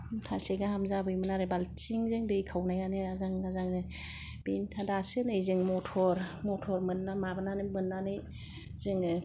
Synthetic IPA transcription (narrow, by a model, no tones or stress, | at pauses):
tʰaseɡahamzabɯjmɯnaɾɯbalt͡ʃiŋzɯŋdɯjkʰawnajanɯazaŋɡazaŋnɯ | b̥intʰadasɯnɯjzɯŋmɔtʰɔɾmɔtʰɔɾmɯnːamabɯnanɯmɯnːanɯj | zɯŋɯ